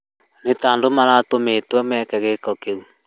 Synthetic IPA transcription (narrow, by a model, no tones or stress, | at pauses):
netaːndomaɾatometwɛmɛkɛɣekɔkeu